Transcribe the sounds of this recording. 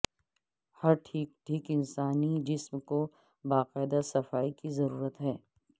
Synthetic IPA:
hɐɾʈʰiːkʈʰiːkɪnsaːnid͡ʒɪsmko | baːqɛːd̪asɐfaːikizɐɾuːɾət̪ɦɛː

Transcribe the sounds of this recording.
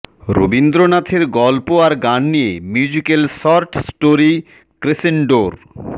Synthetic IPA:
ɾo̰bind̪ɾonat̪ʰeɾɡɔlpoaɾɡanːijemjud͡ʑikelsɔɾʈsʈoɾi | kɾesenɖoɾ

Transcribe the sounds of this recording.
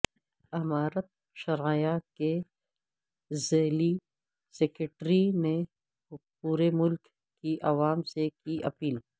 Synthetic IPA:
ɐmaːɾət̪̚ | ʃɐɾajake | zeːli | sekeʈɾine | puːɾemʊlk | kːiʔɐʋaːmsekiʔɐ̰piːl

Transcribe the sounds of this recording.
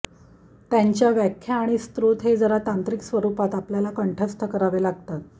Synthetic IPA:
t̪jaɲt͡ɕjaʋjækʰjaːɽ̃ist̪ɾut̪ɦed͡zəɾat̪ant̪ɾiksʋəɾupat̪apljalakəɳʈʰəst̪ʰəkəɾaʋelaɡ̚t̪at̪̚

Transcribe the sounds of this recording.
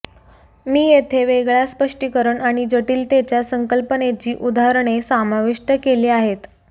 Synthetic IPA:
miːjet̪ʰeʋeɡɭjaspəʂʈikəɾəɳaɽ̃id͡zəʈiːlt̪et͡ɕjasəŋkəlpənet͡ɕiːʔud̪aɦɾəɳesamaʋiʂʈəkeliːaɦet̪

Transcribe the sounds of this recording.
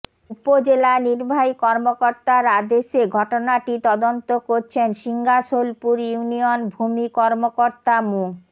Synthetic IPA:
upod͡ʑelaniɾbʱajkɔɾmokoɾt̪aɾad̪eʃeɡʱɔʈonaʈit̪ɔd̪ont̪okoɾt͡ɕʰenʃiŋɡaʃolpuɾjunionbʱumikɔɾmokoɾt̪amu

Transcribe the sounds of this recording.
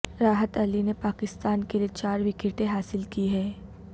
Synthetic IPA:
ɾaːɦət̪ɐlinepaːkɪst̪aːnkeliet͡ʃaːɾʋɪkeʈẽɦaːsɪlkiɦɛː

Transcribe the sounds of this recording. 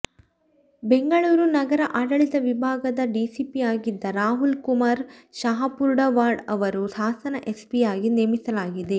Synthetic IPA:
be̞ŋɡɐɭuːɾunɐɡɐɾɐʔaːɖɐɭit̪ɐʋibʱaːɡɐd̪ɐɖisipiaːɡid̪ːɐɾaːɦulkumaːɾʃɐɦɐpuɾɖɐʋaːɾɖɐʋɐɾusaːsɐnɐʔespijaːɡineːmisɐlaːɡid̪e̞

